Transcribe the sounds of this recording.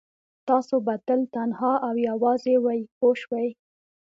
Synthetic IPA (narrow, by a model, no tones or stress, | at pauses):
t̪ɑsobat̪əlt̪anhɑʔawjawɑzewajkoʃwaj